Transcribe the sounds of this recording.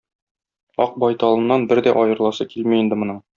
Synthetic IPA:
ɒq̚bɒjt̪ɒlˠɤ̆nːɑnbɘɾd̪æʔɒjɤ̆ɾlˠɑsɤkilmiind̪ɘmɤ̆nɤ

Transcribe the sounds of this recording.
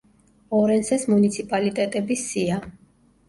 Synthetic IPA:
ɔɾɛnsɛsmunit̪sʰipʼalit̪ʼɛt̪ʼɛbisia

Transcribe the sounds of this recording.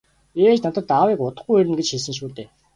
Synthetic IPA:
eːt͡ɕnat̪ə̆t̪awiːkʊt̪ə̆χɡujeɾɘ̆mɡet͡ɕxiɮs̬ɘ̆ŋʃ̬uːt̪eː

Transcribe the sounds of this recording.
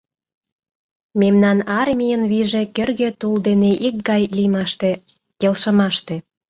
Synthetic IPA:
memnɑnɑrmʲijənβiʒekørɣet̪uld̪eneʔik̚ɡɑjlimɑʃt̪e | kelʃə̆mɑʃt̪e̽

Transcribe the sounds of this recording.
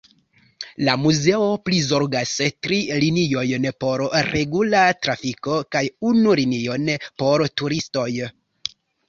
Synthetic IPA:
lamuze̞o̞plizo̞ɾɡastɾilinio̞jnpo̞ɾɾe̞ɡulatɾafiko̞kajunulinio̞npo̞ɾtuɾisto̞j

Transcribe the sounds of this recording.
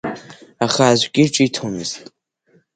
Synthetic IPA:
aχaːzʷkʲʼɪʈ͡ʂʼɪjtʰomɨztʼ

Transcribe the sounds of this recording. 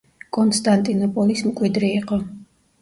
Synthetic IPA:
kʼɔnst̪ʼant̪ʼinɔpʼɔlismkʼwid̪ɾiiqʼɔ

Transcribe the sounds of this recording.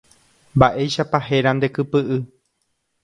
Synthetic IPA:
mbaʔe̞jʃapahe̞ɾand̪e̞kɨpɨʔɨ

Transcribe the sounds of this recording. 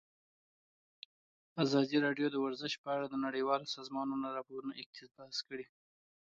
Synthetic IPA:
azɑd̪iɾɑɖjod̪əwaɾzəʃpəaɽad̪ənaɽəjwɑlosɑzmɑnunaɾɑpoɾunoʔɪkt̪ʰɪbahskəɽi

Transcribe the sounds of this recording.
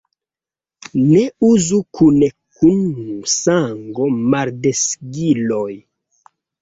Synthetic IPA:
neuzukʰunekunsaŋɡo̞maɾdesɡiloj

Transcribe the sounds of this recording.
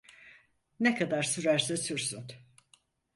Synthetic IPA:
nekʰad̪aɾsyɾæɾsɛsyɾsyn

